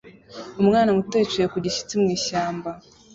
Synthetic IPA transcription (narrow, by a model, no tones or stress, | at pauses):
umŋaːnamuteːt͡ʃejekuɟiʃi̥t͡simŋiːʃaːmba